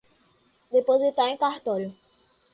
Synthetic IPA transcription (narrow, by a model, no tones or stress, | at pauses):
d̪epozd̪it̪aɾẽkaɾt̪ɔlʊ